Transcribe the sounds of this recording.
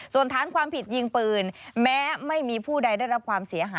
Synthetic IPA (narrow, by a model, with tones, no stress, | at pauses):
su˨˩ənt̪ʰaː˦˥nkʰwaː˧mpʰi˨˩t̪̚ji˧ŋpɯː˧˩nmɛː˦˥ma˥˩jmiː˧pʰuː˥˩da˧jda˥˩jɾa˦˥p̚kʰwaː˧msi˩˦ɐɦaː˨˦